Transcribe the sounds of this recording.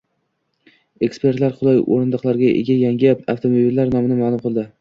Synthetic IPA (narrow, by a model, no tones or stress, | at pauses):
e̞kspe̞ɾt̪laɾqʊlˠɑjo̰ɾɪnd̪ɑqlˠaɾɡʲaʔḛɡʲajaŋɡʲapafwt̪ʰomobilːaɾnɒmɪnɪmalˠʊmqʰɨlˠd̪ɪ